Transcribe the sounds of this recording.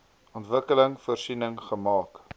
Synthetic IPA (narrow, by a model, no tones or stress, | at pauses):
ʔɔntvəkələŋfuərsinəŋχəmɑːk